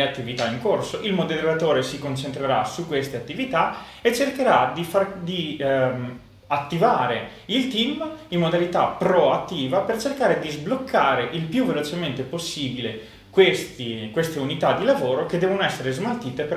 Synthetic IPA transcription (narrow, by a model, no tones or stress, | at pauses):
eat̪ːivit̪aiŋkorsoʔilmod̪elːat̪oːɾesikont͡ʃent̪ɾeɾasukːwest̪eat̪ːivit̪a | et͡ʃːerkeɾad̪ifard̪i | at̪ːivaːɾe | ilt̪imimːod̪alit̪apɾoat̪ːiːvapert͡ʃerkaːɾed̪izblokʰːaːɾeʔilpjuvelot͡ʃement̪eposːiːbile | kwest̪ikwest̪eunit̪ad̪ːilavoːɾok̟ed̪ɛːvonoɛsːeɾezmalt̪iːt̪ep